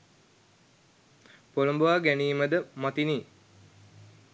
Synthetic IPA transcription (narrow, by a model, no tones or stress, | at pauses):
poləmbuʋaːɡæniːməd̪əmat̪iniː